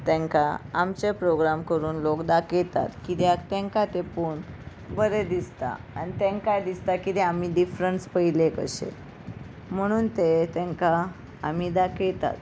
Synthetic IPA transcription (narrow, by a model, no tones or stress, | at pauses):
t̪ɛ̃ŋkaːmt͡ɕepɾoɡɾamkəɾuːnlokd̪aket̪a̰t̪kit̪jat̪ɛ̃ŋkat̪epuːɳ | bəɾed̪ist̪a̰ | a̰ñit̪ɛ̃ŋkajd̪ist̪akit̪eamiːɖifɾəɳspəɦilekə̰ɕḛ | m̤əɽ̃uːnt̪et̪ɛ̃ŋka | amiːd̪akejt̪a̰t̪